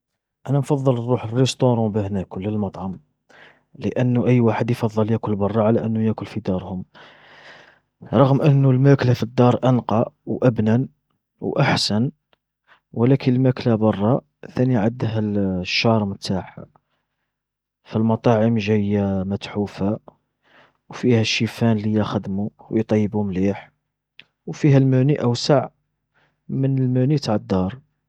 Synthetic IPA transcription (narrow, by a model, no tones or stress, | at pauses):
ʔænænfɑðˤːəlˤːuħərːəst̪oɾˤɑ̃bəhnækʊlːəlmɑt̪ˤʕɑm | ləʔənːʔəjːwaħəd̪jfɑðˤːɑljækʊlbɑrˤːɑʕalæʔənːʊjækʊlfid̪ɑɾˤhʊm | ɾˤɑɣmʔənːulmæklafid̪ːɑɾˤʔənqɑwʔæbnæn | wʔaħsæn | wəlækʰənəlmæklabɑrˤːɑ | θæniʕəd̪ɦælʃːɑɾˤmət̪aħa | fəlmɑt̪ˤɑʕəmʒæjːæmæt̪ħufa | wfihæʃːifænlijæxəd̪muwjt̪ˤɑjːəbumliħ | wfiɦælmæniʔæwsaʕ | mənəlmænit̪aʕəd̪ːɑɾˤ